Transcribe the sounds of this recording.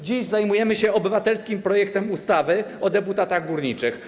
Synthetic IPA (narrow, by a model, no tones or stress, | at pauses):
d͡ʑiʑzajmujɛmɘɕɛɔbɘvat̪ɛlskʲimpɾɔjɛk̚t̪ɛmust̪avɘɔd̪ɛput̪at̪aɣbuɾɲit͡ʂɘx